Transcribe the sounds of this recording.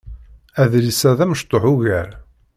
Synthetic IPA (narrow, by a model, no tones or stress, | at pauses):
æðlisæðæməʃt̪ˤːoħuɣæɾ